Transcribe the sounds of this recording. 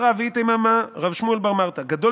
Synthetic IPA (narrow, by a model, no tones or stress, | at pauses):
ʁavit̪aimamaʁavʃmuelbaʁmaʁt̪aɡad̪o